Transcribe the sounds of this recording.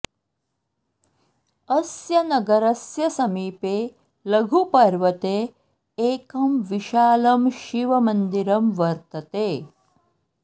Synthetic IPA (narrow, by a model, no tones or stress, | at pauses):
ɐsjɐnɐɡɐɾɐsjɐsɐmiːpeː | lɐɡʱupɐɾʋɐt̪eː | eːkɐmʋiʃaːlɐmʃiʋɐmɐnd̪iɾɐmʋɐɾt̪ɐt̪eː